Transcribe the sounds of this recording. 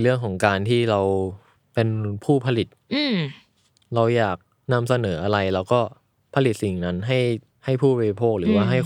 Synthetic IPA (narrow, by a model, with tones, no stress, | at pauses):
lɯ˥˩əŋkʰɔː˩˦ŋkaː˧nt̪ʰiː˥˩ɾa˧w | pe˧npʰuː˥˩pʰa˧li˨˩t̪̚ɯː˥˩ | ɾa˧wjaː˨˩k̚ | na˧msa˧nɤː˩˦ʔa˧ɾa˧jlɛː˦˥wkɔː˥˩ | pʰa˧li˨˩t̪̚si˨˩ŋna˦˥nɦa˥˩j | ha˥˩jpʰuː˥˩baː˧ɾi˧pʰoː˥˩k̚ɾɯː˩˦waː˥˩ɦa˥˩j